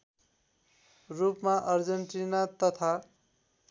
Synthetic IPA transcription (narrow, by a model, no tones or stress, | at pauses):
rupmaʔʌrd͡zʌɳʈinat̪ʌt̪ʰa